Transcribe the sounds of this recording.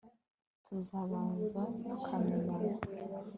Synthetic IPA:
tʰuzaβaːnzatʰukʰameɲana

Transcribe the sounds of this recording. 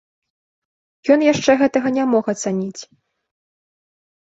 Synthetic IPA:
jɔnjaʂt͡ʂɛɣɛt̪ɐɣɐnʲamɔxɐt̪sanʲit͡sʲ

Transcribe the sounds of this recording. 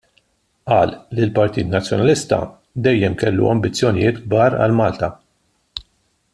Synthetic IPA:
ʔɐːlːilpɐɾt̪iːt̪nɐt͡sːjɔnɐlɪst̪ɐ̰ | d̪ɛjːɛmkɛlːṵɐ̰mbɪt͡sːjɔnɪjɪːt̪ɡ̚bɐːɾɐ̰lmɐːlt̪ɐ

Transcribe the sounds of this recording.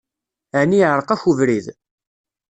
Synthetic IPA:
æʕniʕəɾˤəqæçuvɾið

